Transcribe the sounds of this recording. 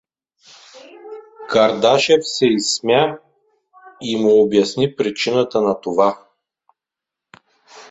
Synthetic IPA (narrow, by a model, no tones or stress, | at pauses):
kɐɾd̪aʃɛfsɛismʲja | imuobjɐsnipɾit͡ʃinət̪ənɐt̪ova